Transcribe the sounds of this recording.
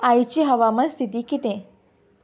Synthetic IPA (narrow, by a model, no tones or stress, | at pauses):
ajt͡ɕiɦəʋamənst̪ʰit̪̬iːkit̪ẽ